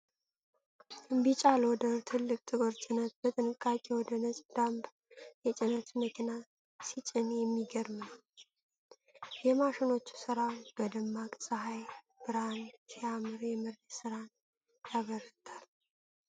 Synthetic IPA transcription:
ɨmbit͡ʃʼalwɔd̪ət̪ʰɨlːɨkʼt̪ʰʼɨɡoɾt͡ʃʼɪnət̪̚b̥ət̪ʼɨnɨkʼːakʼewɔd̪ənət͡ʃʼd̪̥amb | jɛt͡ʃʼɪnət̪məkʰina | sit͡ʃʼɪnjɛmːiɡəɾmnəw | jɛmaʃɪno̞t͡ʃːu̥sɨɾabəd̪əmːakʼsʼəɦaj | b̥ɨɾansiamɨɾjɛmɨɾəsɨɾan | jaβəɾɨt̪ʰal

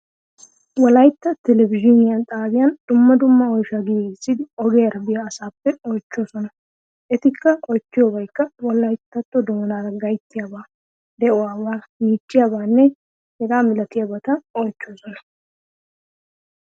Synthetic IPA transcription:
wɔlɐjt̪ːɐt̪ɛlɛbɪʒɪnɪjɐnt̪ʼaːbɪjɐnd̪̥ʊmːɐd̪ʊmːɐɔjʃaɡɪsːɪd̪ɪɔɡeːɾɐbɪjaːsaːpːɛɔjt͡ʃːoːsɔnɐ | ʔɛt̪ɪkːɐʔɔjt͡ʃːɪjobɐjkːɐwɔlɐjt̪ːɐt̪ːɔd̪oːnaːɾɐɡɐjt̪ːɪjaːbaː | d̪ɛʔɔaːwaːniːt͡ʃːɪjabaːnːɛ | hɛɡaːmɪlɐt̪ɪjabɐt̪ɐɔjt͡ʃːoːsɔnɐ̥

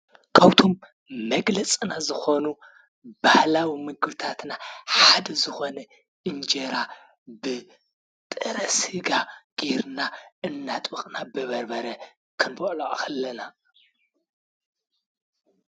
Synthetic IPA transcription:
kʰawt̪ʰomː | ɐɡlɐt͡sʼɨnazɨxo̞nu | b̥ahlawimɨɡɨβt̪ʰat̪naħad̪ɐzɨxo̞nɐ | ʔɨnd͡ʒeɾa | bɨ | t̪ʼɨɾɐshɨɡaɡ̥iɾnaʔɨnːat̪ʼbɨχʼnabɨβɐɾbɐɾɐ | kʰɨnboʔʼloʔʼkɐlːɐna

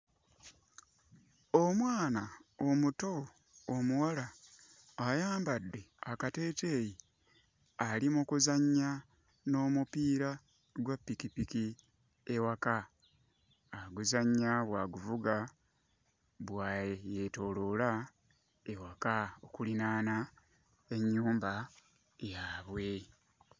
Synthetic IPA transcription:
omwaːnaomuto̞ː | muwalaː | jaːmbadːe̞akate̞ːte̞ːji | alimukuzaɲːa | no̞ːmupiːɾa | ɡwapːikipiki | e̞waka | ɡuzaɲːaβwaɡuvuɡa | βwaːjje̞to̞lola | ewakaokulinaːna | e̞ɲːuːmba | jaːβwe̞

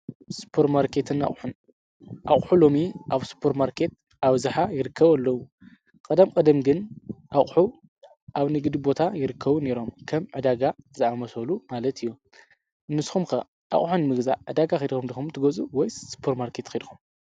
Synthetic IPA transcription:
spʰoɾt̪maɾkʰe̞t̪ʰɨna̰χʼħun | ʔa̰χʼħulo̞miʔaβspʰoɾt̪maɾkʰe̞t̪̚ | ʔaβzɨħajɪɾɨkʰːɐβɐlːɐwu | kʼɐd̪ɐmkʼɐd̪ɐmɡɨnʔaʔʼħu | ʔaβnɨɡd̪ibo̞t̪ʰajɪɾɨkʰːɐβune̞ɾo̞mkʰɐmʕɨd̪aɡaɨzʔamɐsɐlumalɐt̪ʰɨjːu | ɨnːɨsxumkʰɐ | ʔa̰χʼħunɨmɨɡza̰ʕɨ̰d̪aɡaxejd̪xumd̪ixumt̪ʰɨɡɐt͡sʼuwɔjsɨ̥pʰoɾt̪maɾkʰe̞t̪xid̪xum

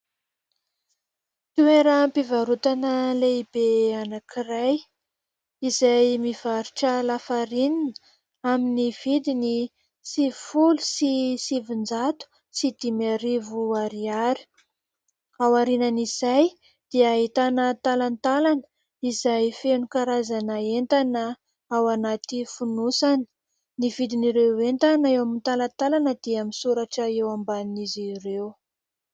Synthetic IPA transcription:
t̪ueɾəmpivaɾut̪anəleibeanakiraj | izajmiv̥aɾuʈ͡ʂəlafaɾininə̥ | aminiv̥id̪ini | sivifulusisivund͡zat̪u̥ | sid̪imaɾivuaɾiaɾi̥ | awaɾinaniz̥aj | d̪̥iait̪anət̪alant̪alanə̥ | izajfenukaɾazanəent̪anə | awanat̪ifunusani̥ | nivid̪iniɾewent̪anaewamint̪alant̪alanəd̪̥iaminsuɾaʈ͡ʂəewambaninizirew

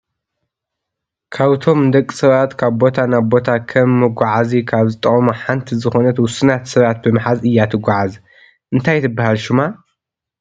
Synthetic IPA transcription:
kʰaβt̪ʰo̞md̪ɐkʼːi̥sɐβat̪kʰaβbo̞t̪ʰanaβbo̞t̪ʰakʰɐmːɨɡʷaʕazikʰaβzɨt̪ʼːɐχʼmuħant̪ʰizɨxo̞nɐt̪wʊsɨnat̪sɐβat̪̚bɨmħazɨjːat̪ʰɨɡʷaʕaz | ʔɨnt̪ʰajt̪ʰɨbːahalʃuma

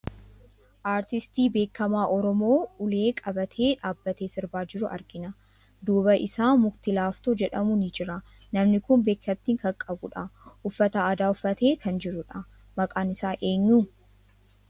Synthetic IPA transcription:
ʔaːɾt̪ɪst̪iːbe̞ːkːɐmaːʔɔɾɔmo̞ːʊle̞ːkʼɐbɐt̪ʰe̞ːᶑaːbːɐt̪e̞ːsɪɾbaːd͡ʒɪɾʊʔɐ̰ɾɡɪnɐ | d̪uːbɐʔɪsaːmʊɡt̪ɪlaːft̪oːd͡ʒɛᶑɐmʊnɪd͡ʒɪɾɐ | nɐmnɪkʊnbe̞ːkːɐb̚t̪iŋkɐŋkʼɐbʊᶑɐʔʊfːɐt̪aːd̪aːʊfːɐt̪e̞ːkʰɐnd͡ʒɪɾʊᶑɐ | mɐkʼaːnɪsaːʔe̞ːɲːu

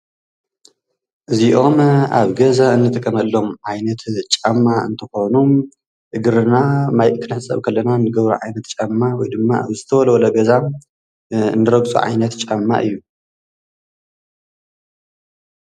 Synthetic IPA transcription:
ʔɨziʔo̞ma̰βɡɐzaɨnːɨt̪ʰɨkʼɐmɐlːo̞mʕajnɐt̪t͡ʃʼamːaɨ̰nt̪ʰɨxo̞num | ʔɨɡɨɾɨnamajkʰɨnħɨt͡sʼːɐ̰βkʰɐlːɐnanɨɡɐβɾṵʕajnɐt̪t͡ʃʼamːawɔjd̪ɨmːazɨt̪ʰɐwɐlɐwlɐɡɐza | nːɨɾɐɡt͡sʼṵʕa̰jnɐt̪t͡ʃʼamːa̰ʔɨ̰jːu

